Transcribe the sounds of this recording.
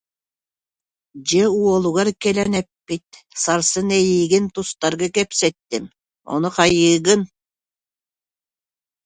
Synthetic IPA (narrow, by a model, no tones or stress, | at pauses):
d͡ʑɛuɔlˠuɣaɾkɛlɛnɛpːit̪̚ | saɾsɯnɛjiːɡint̪ust̪aɾɡakɛpsɛt̪ːim | ɔ̰nuqɑjɯːɡɯn